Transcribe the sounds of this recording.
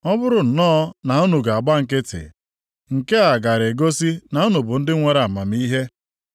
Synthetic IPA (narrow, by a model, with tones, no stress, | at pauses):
ɔ˦bʊ˦ɾʊ˨n̩˨nɔː˦na˨u˦nu˨ɡa˨a˨ɡ͡ba˦ŋ̩˨kɪ˦tɪ̰˨ | ŋ̩˨ke˦a˨ɡa˨ɾe˨ɡo˦si˦na˨u˦nu˨bʊ˨n̩˦dɪ˦ŋʷe˨ɾa˨ma˨m˦i˦ɦe˦